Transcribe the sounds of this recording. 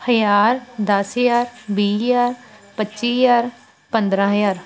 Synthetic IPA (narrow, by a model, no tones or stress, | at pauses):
həjaːɾd̪əsɦjaːɾbiːjaːɾpətːʃijaːɾ | pə̃nd̪ɾãːɦjaːɾ